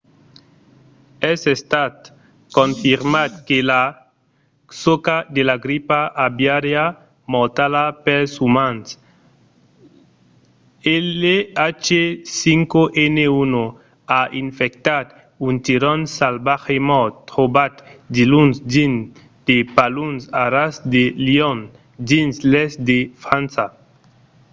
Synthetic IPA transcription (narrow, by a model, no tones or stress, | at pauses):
ɛsest̪at̪ | koɱfiɾmat̪̚kela | sokad̪elaɡɾipaʔabjaɾja | mot̪alapɛsumans | eleat͡ʃesiŋkoʔɛneuno | aʔiɱfek̚t̪at̪ | unt̪iɾɔnsalbaxemɔtt̪ʁobat̪d̪ilunsdin | d̪̥epalunsaɾasd̪eliɔn | dinslɛsd̪efɾansa